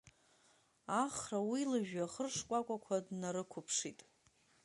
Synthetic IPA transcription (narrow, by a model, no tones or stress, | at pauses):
aχrawilaʒᶣaχərʂkʷʼakʷʼakʷʰadnaɾɨkʷʰʊpʰʂitʼ